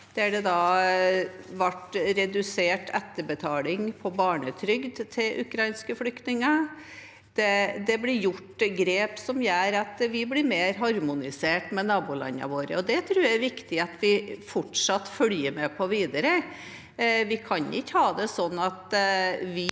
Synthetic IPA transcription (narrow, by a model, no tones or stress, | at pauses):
d̪̥ɛæɖɛd̪ɑː | ʋæʈɾɛd̪ʉseːʈʰɛt̪ːəbət̪ʰɑːlɪŋpʰɔbɑːɳət̪ʰɾʏɡd̪t̪ʰɪlʔʉ̰kʰɾɑɪnskəflʏkt̪nɪŋə | d̪̥ɛd̪ɛblɪɾjʊʈːɡɾeːpsɔmjæːɾɑt̪ʋɪblɪɾmeːɾɦɑɾmʊnɪseːʈmɛnɑːbʊlɑ̰nːɑ̰ʋoːɾə̰ɔd̪ɛt̪ʰɾʉːjææɾʋɪkt̪ɪɑt̪ʋɪfɔʈʂɑt̪ːfœljəɾmɛpʰɔʋiːd̪əɾə | ʋɪkʰɑnɪ̰khɑːd̪ɛsɔnːɑt̪ʋɪ